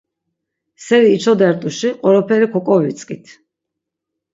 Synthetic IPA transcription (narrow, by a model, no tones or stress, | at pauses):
sɛɾiːt͡ʃʰɔd̪ɛɾt̪ʼuʃiqʼwɔɾɔpʰɛɾikʰɔkʼɔvit̪sʼkʼit̪ʰ